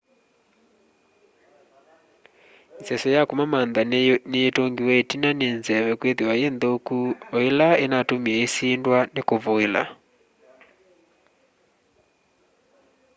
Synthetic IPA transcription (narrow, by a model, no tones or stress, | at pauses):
sɛsɔjakomamanðaneetoŋɡiwɛetinanenzɛwɛkweðewajendokuoelaenatomiɛesiːndwanekoβoela̰